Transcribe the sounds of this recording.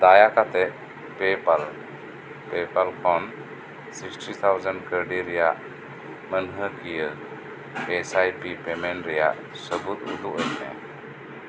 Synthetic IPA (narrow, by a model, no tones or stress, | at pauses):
d̪ajakat̪ɛʔ | pɛpal | pɛpəlkʰɔn | siksʈit̪ʰawzənkəɾɖiɾɛjaʔ | mənɦəkijə | ɛsajpipɛmɛɳʈɾɛjaʔ | səbut̪̚ṵd̪uʔəjnɛ̰